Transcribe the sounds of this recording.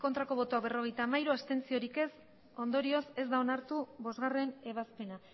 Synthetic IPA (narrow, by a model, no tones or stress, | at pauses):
ko̞nt̪ɾako̞β̞o̞t̪oakβe̞ro̞ɣe̞jt̪aːmaiɾuast̪e̞nt͡sio̞ɾike̞s | o̞nd̪o̞ɾio̞se̞zd̪aonaɾt̪uβo̞zɣare̞ne̞β̞aspe̞na